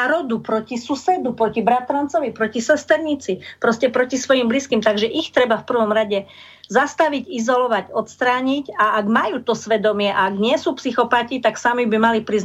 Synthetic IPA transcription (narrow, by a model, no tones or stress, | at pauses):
aɾɔd̪upɾɔcisusɛd̪upɾɔcibɾat̪ɾant͡sɔʋipɾɔcisɛst̪ɛɾɲit͡sipɾɔscɛpɾɔcisʋɔjimbliskimt̪aɡʒɛʔixt̪ɾɛbafpr̩ʋɔmɾaɟɛ | zast̪aʋicizɔlɔʋaɟɔt̪st̪ɾaːɲicaaɡmajuːt̪ɔsʋɛd̪ɔmɪɛʔaaɡɲɪɛsupsixɔpacit̪aksamibimalipɾiz